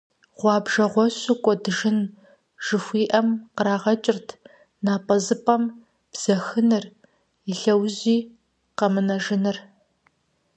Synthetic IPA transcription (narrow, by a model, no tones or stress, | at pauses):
ʁ̥ʷɑːbʒɐʁʷɔɕʷʊkʷʼɔdɨʒɨn | ʒ̥ɨxʷiːʔɐmqəɾaːʁɐt͡ʃʼɪrtʰ | naːpʼɐzɨpʼɐm | b̥z̥ɐxɨnɨr | iɬɐwʑiː | qɐmɨnɐʒɪnɨr